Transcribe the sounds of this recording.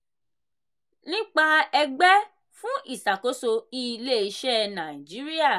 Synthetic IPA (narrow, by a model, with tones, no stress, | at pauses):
nĩ˦k͡pa˧ɛ˧ɡ͡bɛ˦ | fũ˦ʔi˦˨sa˨ko˨˦so˧i˦˧le˦i˧ʃɛ˦nã˨ĩ˨d͡ʒi˨˦ɾi˦a˦˨